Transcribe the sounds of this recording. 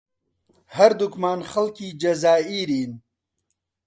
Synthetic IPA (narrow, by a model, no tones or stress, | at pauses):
hɐɾd̪ukmaːnxɐlkiːd͡ʒɐzaːiːɾiːn